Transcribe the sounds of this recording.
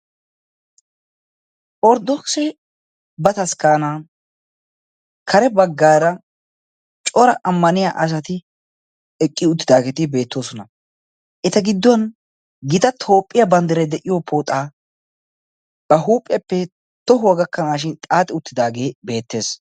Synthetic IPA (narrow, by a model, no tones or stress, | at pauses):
ʔɔɾd̪ɔksɛ | bɐt̪ɐskaːna | kʰɐɾɛbɐɡːaːɾɐ | t͡ʃʼɔɾɐʔɐmːɐnɪja̰ːʔɐs̬ɐt̪ɪ | ɛkʼːɪʊt̪ːɪd̪aːɡɛt̪ɪbe̞ːt̪ːo̞ːsɔnɐ | ʔɛt̪ɐɡɪd̪ːɔɐn | ɡɪt̪ɐt̪ʰo̞ːpʼːɪjɐbɐnd̪ɪɾɛd̪ɛʔɪjoːpʰoːt̪ʼaː | b̥ɐɦuːpʼɪjɐpːɛ | t̪ɔɦʊwɐɡɐkːɐnaːʃɪnt̪ʼaːt̪ʼɪʊt̪ːɪd̪aːɡeːbe̞ːt̪ːe̞ːs